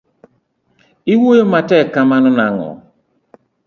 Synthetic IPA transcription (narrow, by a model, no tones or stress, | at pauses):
iwojomatɛkamanɔnaŋɔ̰